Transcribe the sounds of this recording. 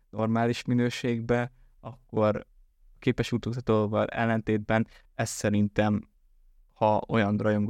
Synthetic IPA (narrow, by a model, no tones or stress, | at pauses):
no̞rmaːliʃminøːʃeːɡbɛ | ɒkːo̞ɾ | keːpɛʃut̪oːzɒt̪ovɒlɛ̰lːɛnt̪eːd̪̚bɛn | ɛst̪sɛɾint̪ɛm | hɒo̞jɒnd̪rɒjoŋɡ